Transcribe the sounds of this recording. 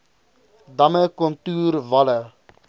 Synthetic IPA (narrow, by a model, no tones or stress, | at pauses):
dɐməkɔntuːɾvɐlə